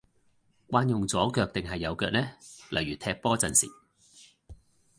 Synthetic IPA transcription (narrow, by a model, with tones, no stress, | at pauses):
kʷaː˧njʊ˨ŋt͡sɔː˨˥kœː˧k̚t̪ɪ˨ŋɦɐ˨jːɐ˨˧wkœː˧k̚nɛː˥lɐ̰˨˩jɥyː˨˩t̪ʰɛː˧k̚pɔː˥t͡sɐ˨nsḭː˨˩